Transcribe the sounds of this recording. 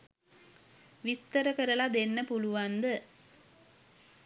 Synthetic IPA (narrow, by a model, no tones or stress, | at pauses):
ʋit̪ːəɾəkəɾəlad̪enːəpuluʋand̪ə